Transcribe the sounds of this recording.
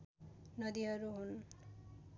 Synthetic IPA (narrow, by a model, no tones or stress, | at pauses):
nʌd̪iɦʌɾuɦun